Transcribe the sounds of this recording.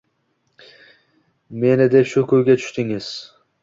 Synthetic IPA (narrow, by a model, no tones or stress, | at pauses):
me̞nɪd̪epʃʊkʰɵjɡʲat̪ʰʊ̥ʃt̪ɪŋɪz̥